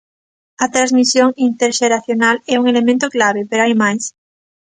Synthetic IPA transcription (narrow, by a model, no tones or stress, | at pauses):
ɐt̪ɾazmisjoŋint̪eɾʃeɾaθjonalɛuŋelemẽnt̪oklaβ̞epeɾaimajs